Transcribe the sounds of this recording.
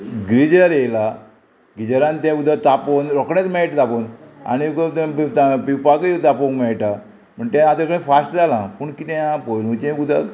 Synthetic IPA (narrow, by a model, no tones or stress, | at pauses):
ɡɾid͡ʑəɾjela | ɡid͡ʑəɾãnt̪ãud̪ʱat̪aponɾɔkɳat͡smɛɭʈat̪apona̰nikt̪t̪pipakət̪apomɛɭʈa | m̤əɳt̪ɛ̃at̪əkəɽẽfasʈd͡zalãpuɳkit̪ɛ̃jãpojlũt͡ɕẽud̪ʱa̰